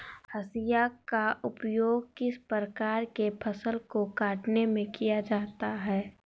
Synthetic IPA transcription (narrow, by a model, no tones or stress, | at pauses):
hɐsijakaʔʊpjoːɡkɪspɾəkaːɾkepʰɐsəlkokaːʈnemẽkijad͡ʒaːt̪aɦɛː